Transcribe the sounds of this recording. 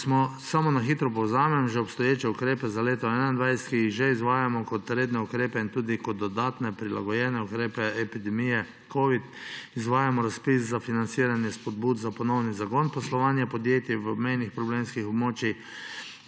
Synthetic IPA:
smɔsamɔnaxit̪ɾɔp̬ɔwzaːmɛmʒɛɔpst̪ɔjeːt͡ʃɛukɾeːpɛzaleːt̪ɔɛnand̪ʋajsɛ̥t̪kijiɣʒɛizʋaːjamɔkɔt̪ɾeːd̪nɛukɾeːpɛint̪uːd̪ikɔd̪ːɔd̪aːt̪nɛpɾila̰ɡɔjɛːnɛukɾeːpɛɛpid̪ɛmijɛ | kʰoʋit̪izʋaːjamɔɾaspiszafinant̪siːɾanjɛspɔd̪̚buːd̪zapɔnɔwnizaɡɔnpɔslɔʋaːnjapɔd̪jeːt̪jiʋəmɛjnixpɾɔblemskixɔbmoːt͡ʃix

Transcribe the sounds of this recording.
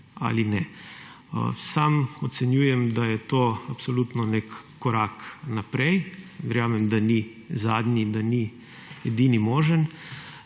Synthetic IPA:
a̰linɛ̰ | samɔt̪sɛnjuːjɛmd̪ajɛt̪oːapsolut̪nɔnekː | ɔɾaknapɾɛjʋɛɾjaːmɛmd̪ani | zaːd̪nid̪ani | ɛd̪iːnimoːʒən

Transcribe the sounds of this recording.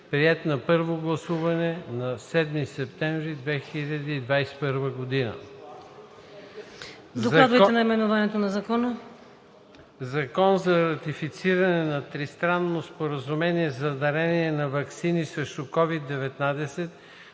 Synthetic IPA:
pɾiɛt̪nɐpɤɾvoɡlˠɐsuvɐnɛnɐsɛd̪misɛp̚t̪ɛɱvɾid̪vɛxiʎʲɐd̪iːd̪vajsɛ̥pɤɾvəɡod̪inə̰ | dzok̪ˠad̪ojt̪ɛnɐjmɛnovanɛt̪onɐzɐkɔnə | zɐkɔnzɐɾɐt̪ifit̪siɾɐnɛnɐt̪ɾist̪ɾanːospoɾəzumɛniɛzɐd̪ɐɾɛniɛnɐvɐksinisɾɛʃt̪ʊkɔvid̪ːɛvɛt̪nad̪ɛsɛt̪̚

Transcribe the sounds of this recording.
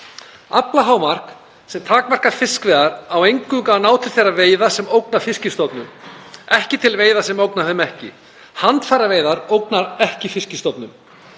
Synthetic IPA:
aplaɦaːwmar̥k | sɛmt̪ʰaːkmar̥kaɾ̥fɪskvɛːðaɾawejŋkʏŋkaːnaːwt̪ʰɪlθejrːaveːjðasɛmowknḁfɪscɪst̪ɔt̪nʏmɛhcɪt̪ʰɪlveːjðasɛmowknaθʏmɛhcɪ̰ | hant̪faːɾaveːjðaɾowknaɾɛhcɪfɪscɪst̪ɔt̪nʏm

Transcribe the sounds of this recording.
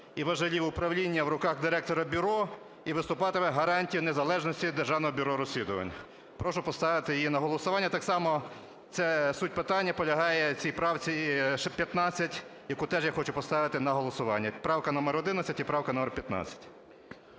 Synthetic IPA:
iʋɐʒɐlʲiʋʊpɾɐwlʲinʲːɐwɾʊkɑxd̪ɪɾɛk̚t̪ɔɾɐbʲʊɾɔ | iʋɪst̪ʊpɑt̪ɪmɪɦɐɾɑnʲtʲijʊnezɐlˠɛʒnɔsʲtʲid̪erʒɑwnɔɦɔbʲʊɾɔɾɔsʲlʲid̪ʊʋɐ̰nʲːɐ | pɾɔʃʊpɔst̪ɑʋɪt̪ɪjijinɐɦɔlˠɔsʊʋɑnʲːɐt̪ɑksɑmɔ | t̪sɛsutʲpɪt̪ɑnʲːɐpɔlʲɐɦɑjɛt͡sʲijpɾɑwt͡sʲiʃpʲjɐt̪nɑt͡sʲːɐtʲjɐkut̪ɛʒjaxɔt͡ʃʊpɔst̪ɑʋɪt̪ɪnɐɦɔlˠɔsʊʋɑ̰nʲːɐpɾɑwkɐnɔmɛɾɔd̪ɪnɐt͡sʲɐtʲipɾɑwkɐnɔmɛrpʲjɐt̪nɑ̰t͡sʲːɐ̥tʲ

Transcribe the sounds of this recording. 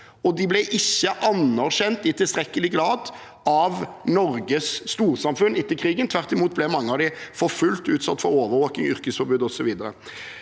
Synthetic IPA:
ɔd̪ɪblɛʔɪçːəʔɑnæʁʃɛnt̪̚d̪ɪt̪ʰɪlst̪ɾɛkːəlɪɡlɑːd̪ | ɑʋnɔɾɡəsːt̪uːɾsɑmfʉnːɪt̪ːəkʰɾiːɡənt̪ʰʋæʁt̪ɪmuːt̪̚blɛmɑŋːəɑʋd̪ɪfɔɾfʉlt̪ʉːt̪sɑt̪ːfɔɾoːʋəʋoːkɪŋʏɾkəsfɔɾbʉːd̪ɔsɔʋiːd̪əɾə̰

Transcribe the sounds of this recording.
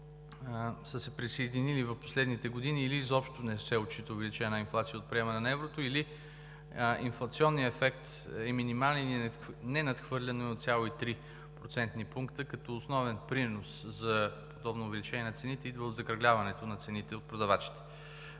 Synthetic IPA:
səsɛpɾisɐid̪inilivɐfpo̥slɛd̪nit̪ɛɡod̪iniːlizɔpʃt̪onɛsɛot͡ʃit̪əʊvɛlit͡ʃɛnəinflˠat̪sijəot̪̚pɾiɛmɐnɛnɐɛvɾot̪oili | inflˠɐt̪siɔnːijəɛfɛkt̪ | ɛminimalˠnnilinɛnɐt̪xvɤɾlʲɐnɛot̪sʲalˠoit̪ɾi | pɾot̪sɛnt̪nipuŋkt̪əkɐt̪ɔosnɔvɛnpɾinoszɐpod̪ɔbnoːvɛlit͡ʃɛnʲiɛnɐt̪sɛnit̪ɛid̪vəod̪zɐkɾɐɡlʲavɐnɛt̪onɐt̪sɛnit̪ɛot̪pɾod̪ɐvat͡ʃi̥t̪ɛ̥

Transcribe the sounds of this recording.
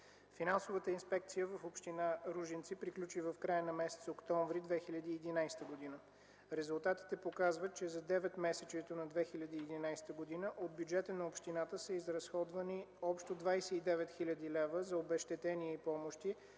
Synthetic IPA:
finansovət̪əinspɛk̚t̪sijəvɐfopʃt̪inaɾuʒint̪sipɾiklʲut͡ʃivɐfkɾajənɐmɛsɛ̥t̪sokt̪ɔɱvɾid̪vɛxilʲɐd̪iːd̪inajst̪əɡod̪inə | ɾɛzulˠt̪at̪i̥t̪ɛpokazvət̪̚t͡ʃɛzɐd̪ɛvɛt̪mɛsɛt͡ʃɛt̪onɐd̪vɛxilʲɐd̪iːd̪inajst̪əɡod̪inəʔod̪̚bjud͡ʒɛt̪ənɐopʃt̪inat̪əsəizɾɐsxɔd̪vɐniɔpʃt̪od̪vajsɛid̪ɛvɛt̪xilʲəd̪ilɛvəzɐobɛʃt̪ɛt̪ɛniɛipɔmoʃt̪i

